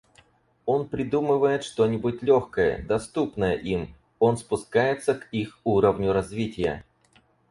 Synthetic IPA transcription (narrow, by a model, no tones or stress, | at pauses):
o̞npɾʲɪd̪umɨvəjɪt̪ʂt̪o̞nʲɪbʊt̚ʲlʲoxkəjə̰d̪ɐst̪upnəjəʔim | o̞nspʊskajɪt̪səkixuɾəvnʲʊɾɐzvʲitʲɪjə̰